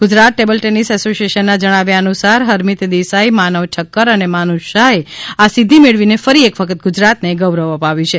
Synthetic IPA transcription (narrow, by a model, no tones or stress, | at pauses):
ɡ̥ʊd͡ʒɾat̪ːebəlʈɛnisɛsosieʃənːad͡ʒəɽ̃aʋjaənusaɾɦəɾmit̪d̪isaimanəʋʈʰəkːəɾənemanuʃaeasid̪ʱimeɭʋinefəɾiekʋəkʰət̪̚ɡʊd͡ʒɾat̪neɡəʋɾəʋəpaʋit͡ʃʰe